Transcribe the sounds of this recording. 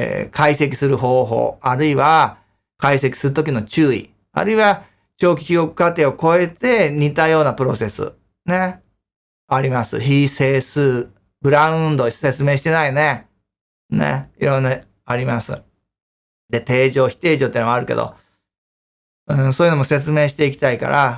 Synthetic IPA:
kʰaise̞kʲi̥sɨɾɯ̟ɦo̞ːɦo̞̰ːaɾɯ̟iβa | kaise̞kʲi̥sɨɾɯ̟t̪o̞kʲino̞t͡ɕɨːḭ | a̰ɾɯ̟iβa | t͡ɕo̞ːkʲi̥kʲiɡo̞kɯ̟̥kat̪e̞ːo̞ko̞e̞t̪e̞ɲ̟it̪ajo̞ːnapɯ̟ɾo̞se̞sɨ̰ | ne̞ | aɾʲimasɨ̰çise̞ːsɨː | bɯ̟ɾãɯ̃nd̪o̞se̞t͡sɨme̞ːɕi̥t̪e̞naine̞ | ne̞̰iɾõ̞nːa | aɾʲimasɨ̰ | d̪e̞t̪e̞ːʑo̞ːçi̥t̪e̞ːʑot̪eiːnoaɾɯ̟ke̞̰d̪o̰ | ɯ̟̃ɴsoːjɯ̟nomo̞se̞t͡sɨme̞ːɕi̥t̪e̞ik̬ʲi̥t̪aika̰ɾa

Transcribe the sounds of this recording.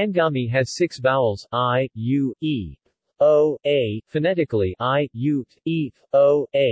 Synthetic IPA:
ɨ̃nɡɑmiɨz̥sɪksbaʊl̩ˠz̥aɪjʉi | oʊeɪfɨnɛɾɨkl̩ˠiʔaɪjʉ | i | oʊeɪ

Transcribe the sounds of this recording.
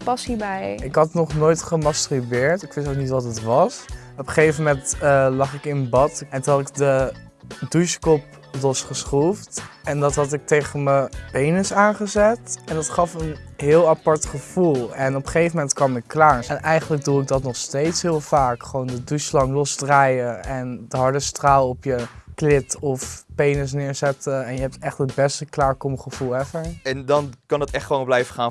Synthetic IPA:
pɑsibɛjɪkɦɑtənɔχnojtχəmɑstrybɪːɹtɪkʋɪstok̚nitʋɑtətʋɑs | ɔpə̥χejfəmɛntlɑχɪkɪnənbɑtɛntuɑtɪk̚də | duʃkɔp | lɔsχəsχuftɛndɑtɦɑtɪk̚tejχənməbejnəsaːnχəzɛtɛndɑtχɑfənɦɪːlˠapɑɹtχəv̥ulˠɛnɔpə̥χejvəmɛntkʋɑmɪkːlaːɹɛnʔɛjχənləɡ̚duɪɡ̚dɑtnɔχstejtsɦɪːlˠvaːkχəʋowndədyslɑŋlɔsdrajəɛndəɦɑɹdəstraːlˠɔpjəklɪtɔfpejnəs̬nɪːɹzɛtəɛnjəɦɛp̚tɛχtətbɛstəklaːɹkɔmχəv̥ulˠɛfəɹɛndɑnkɑnətɛχtχəʋownblɛjvəχaːn

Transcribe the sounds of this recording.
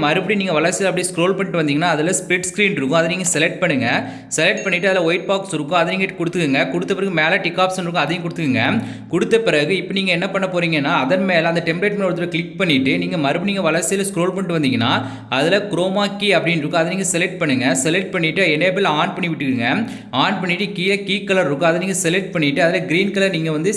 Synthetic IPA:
mɐɾɯpɐɽiniːŋɡɐʋɐɭɐɾt͡ʃɪjɐlɐpːɐɽiskɾoːlpɐɳɪʈːɯʋɐnd̪iːŋɡɐnːaːɐðɪlɐspɾɪʈskɾiːnɾɯkːʊ̃ɐðɐniːŋɡɐsɛlɛk̚ʈ̚pɐɳːɯŋɡɐ | sɛlɛk̚ʈ̚pɐɳːɪʈːɐðɪlɐʋɔjɪʈ̚paːksɾɯkːʊ̃ɐðɐniːŋɐʈːkːʊɽɯt̪ːɯkːɯŋɡɐkʊɽɯt̪ːɐpɪɾɐɣɯmeːlɐʈɪkːaːpsɛnɾɯkːʊ̃ɐðɐjʊ̃k̬ʊɽɯt̪ːɯkɯŋɡɐ | kʊɽɯt̪ːɐpɪɾɐɣɯɪpːɐniːŋɡɐɛnːɐpɐɳːɐpoːɾiːŋɡɐnːaːɐðɐnmeːlɐɐnd̪ɐʈɛmbleːʈ̚meːɔɽɯt̪ːɯɾɐklɪk̚pɐɳːɪʈːɯniːŋɡɐmɐɾɯbɐniːŋɡɐʋɐlɐɾsɪjɐlskɾoːlpɐɳʈːɯʋɐnd̪ɪiŋɡɐnːaː | ɐðɪlɐkɾoːmaːkiːɐpːɐɽɪnɾɯkːʊ̃ɐðɐniːŋɡɐsɛlɛʈ̚pɐːɯŋɡɐsɛlɛʈ̚pɐɳːɪʈːɯɛneːbɪlaːɳpɐɳːɪʋɪʈːɯkːɯŋɡɐ | aːɳpɐɳːɪʈːɯkiːlɐkiːkːɐlɐɾɾɯkːʊ̃ɐðɐniːŋɡɐsɛlɛʈ̚pɐɳːɪʈːɯɐðɪlɐɡɪɾiːnkɐlɐɾniːŋɡɐʋɐnd̪ɯ

